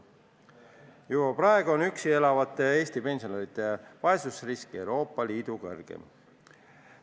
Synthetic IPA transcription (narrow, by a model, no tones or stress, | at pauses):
jubɑprɑe̞ɡuo̞nyksie̞lɑvɑt̪ːˑe̞e̞ːst̪ipe̞nsioneɾit̪ːˑe̞vɑe̞susriskie̞wɾo̞ːpˑːɑliːd̪ukɤ̰rɡ̥ḛm